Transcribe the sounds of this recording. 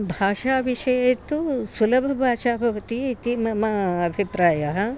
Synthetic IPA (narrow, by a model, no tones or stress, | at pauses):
bʱaːʃaːʋiʃɐjet̪usulɐbʱɐbʱaːt͡ʃaːbʱɐʋɐt̪it̪imɐmɐɐbʱipɾaːjɐɦɐ̆